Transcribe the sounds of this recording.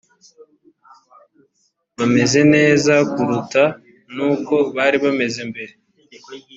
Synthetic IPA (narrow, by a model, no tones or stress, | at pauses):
βame̞ze̞ne̞ːzakuɾuta | nuːko̞βaːɾiβame̞ze̞mbe̞ɾe